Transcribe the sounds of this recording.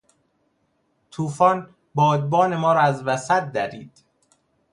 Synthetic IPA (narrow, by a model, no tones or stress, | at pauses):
t̪ʰuːfɒːn | bɒːd̪̚bɒːne̞mɒːɾɒæzvæsæt̪̚d̪æɾḭːd̪̥